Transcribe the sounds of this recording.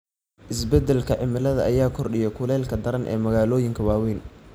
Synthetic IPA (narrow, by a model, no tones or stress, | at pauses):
ʔɪsbɛd̪ɛlkʰɐʕɪmɪlɐðɐʔɐjaːkʰɔrɗɪjɛkʰʊlɛːlkʰɐd̪ɐɾɐnʔɛ̰ːmɐɣaːlɔːjɪŋkʰɐwaːwiːn